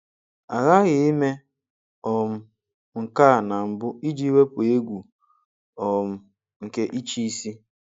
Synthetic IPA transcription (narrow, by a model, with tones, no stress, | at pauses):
a˨ɣa˦ɣɪ˨i˦me˦ | ɔ˨m̩˦ | ŋ̩˨ka˦˨na˨m̩˨bʊ˦i˦d͡ʒi˦i˦we˦pʊ˨e˦ɡʷu˨ | ɔ˨m̩˨ | ŋ̩˨ke˦ʔi˦t͡ʃi˦i˦si˦